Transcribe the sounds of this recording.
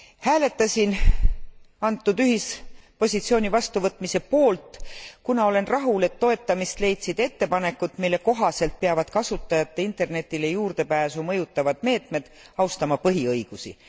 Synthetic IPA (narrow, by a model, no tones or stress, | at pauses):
hæːle̞t̪ːˑɑsʲin | ɑnt̪ːˑud̪yɦispo̞sʲit̪sio̞ːnʲivɑst̪uvɤt̪ːˑmise̞po̞ːlt̪ˑkunɑo̞le̞nrɑɦule̞t̪ːo̞e̞t̪ˑːɑmist̪le̞jt̪sid̪̥e̞t̪ːe̞pɑne̞kːˑut̪milːe̞ko̞ɦɑse̞lt̪̚peɑvɑd̪̥kɑsut̪ːˑɑjɑt̪ːˑe̞int̪ˑe̞rne̞t̪ʲːˑilejuːrd̪̥e̞pæːsumɤ̞jut̪ːˑɑvɑd̪̥me̞ːt̪me̞d̪̥ɑwst̪ɑmɑpɤɦiɤjɡ̥usḭ